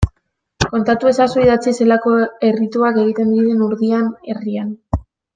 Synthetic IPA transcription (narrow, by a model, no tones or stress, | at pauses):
ko̞nt̪at̪ue̞sasuiðat͡sise̞lako̞e̞rit̪uake̞ɣ̞it̪e̞nd̪iɾe̞nuɾðiane̞rian